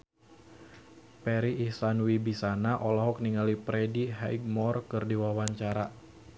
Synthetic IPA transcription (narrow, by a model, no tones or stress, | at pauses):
pɛɾiːsanwibisanaʔɔlɔɦɔk̚niŋalipɾediɦaiɡ̚mɔrkɨrdiwawaɲt͡ʃaɾa